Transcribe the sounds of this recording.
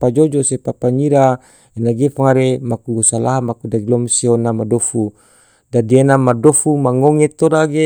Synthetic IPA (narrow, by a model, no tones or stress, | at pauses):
pad͡ʒod͡ʒosepapaɲiɾa | enaɡepaŋaɾemakuɡosalaɦamakudadilɔmseonamadofu | dadienamadofumaŋoŋet̪oɾaɡe